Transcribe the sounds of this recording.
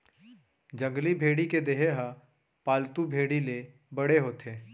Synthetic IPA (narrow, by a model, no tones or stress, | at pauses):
d͡ʒəŋɡlibʱeːɽiked̪eɦeɦa | paːlt̪ubʱeːɽile | bɐɽeɦoːt̪ʰeː